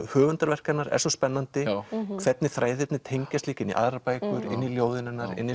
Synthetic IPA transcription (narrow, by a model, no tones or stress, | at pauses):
hœːvʏnt̪aɾvɛr̥kat̪naɾɛ̰ɾsɔspɛnːant̪ɪkʰv̥ɛt̪nɪθɾʔaːjðɪt̪nɪt̪ʰejɲcast̪liːcɪnḭʔa̰ðɾapaːjkʏɾɪ̰nːiljowðɪnɪnːaɾɪ̰nːi